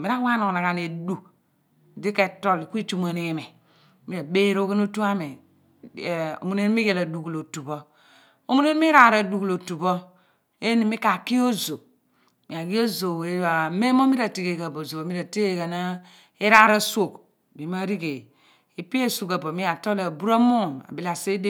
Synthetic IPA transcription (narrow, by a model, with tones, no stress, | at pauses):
mi˨ɾa˦wa˦no˨ŋ˨na˨ka˨ne˨du˨ | di˦ke˨to˦li˨ki˦t͡ʃu˦ma˨ni˨me˨ | mi˦ɾa˨be˦ɾo˦ke˦n˦o˦tu˦a˦me˨ | o̰˨mu˨ne˦n˦mi˦ɡe˨la˨du˨klo˨tu˨bo˦ | o˨mu˦ne˦n˦m˦i˦ɾa˨ɾa˨du˨klo˨tu˨bo˦ | e˦ni˨mi˦ka˨ki˦o˦zo˨ | mi˨a˨ɡi˦o˦zo˨e˦a˨me˦m˦o˦mi˦ɾa˨ti˨ɡe˨ɡa˨bo˨zo˨o˨mi˦ɾa˨ti˦ɡe˦˨ɡa˨na˦ | i˦ɾa˦ɾa˦so˨k | bi˨˦ma˦ɾi˦ɡe˨ | i˨pi˦e˦su˨ka˨bo˨mi˦a˨to˦la˨bu˦ɾa˦mo˦˨na̰˨bi˦la˨se˦de˦